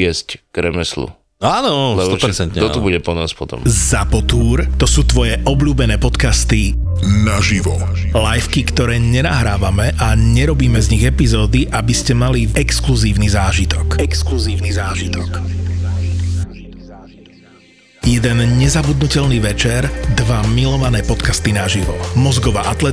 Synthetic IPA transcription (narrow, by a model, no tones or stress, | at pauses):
ɪɛscɡ̥ɾɛmɛslṵ | aːnɔlst̪ɔɛt͡sɛnt̪ɲt̪ɔubuɟɛpɔna̰ːspɔt̪ɔ̰mzapɔt̪uːɾt̪ɔsuːt̪ʋɔjɛʔɔbʎuːbɛnɛːpɔt̪kast̪inaʒiʋɔ̰ | lajfkikt̪ɔɾɛːɲɛnaɦɾaːʋamɛʔaɲɛɾɔbiːmɛzɲiɣɛpizɔːd̪iʔabiscɛmaliɛkskluziːʊnizaːʒit̪ɔkɛkskluziːʊnizaːʒit̪ɔk | jɛd̪ɛnɲɛzabud̪nucɛlniːʋɛt͡ʃɛɾd̪ʋamilɔʋanɛːpɔt̪kast̪inaʒiʋɔmɔzɡɔʋa̰ʔat̪lɛ